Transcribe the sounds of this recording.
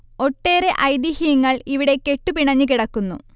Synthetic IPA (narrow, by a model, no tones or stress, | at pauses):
o̞ʈːe̞ːɾe̞ʔɐjd̪ihijɐŋːɐɭiʋiɽe̞ke̞ʈːupiɳɐɲːɨkiɽɐkːunːu